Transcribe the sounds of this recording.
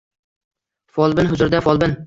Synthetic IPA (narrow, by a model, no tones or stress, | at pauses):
fɒlˠbɪnɦʊzʊɾd̪afɒlˠbɪn